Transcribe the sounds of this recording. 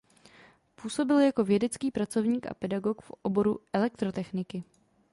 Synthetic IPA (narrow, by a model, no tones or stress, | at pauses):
puːso̞bɪljako̞vjɛdɛt͡skiːpɾat͡so̞vɲiːkʔa̰pɛdaɡo̞kfʔobo̞ɾuʔɛlɛkt̪ɾo̞t̪ɛxnɪkɪ